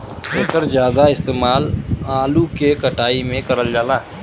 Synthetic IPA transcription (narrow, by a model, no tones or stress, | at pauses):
eːkəɾzjaːd̪aɪst̪eːmaːlaːlukekəʈaːimẽkɐɾəld͡ʒaːlaː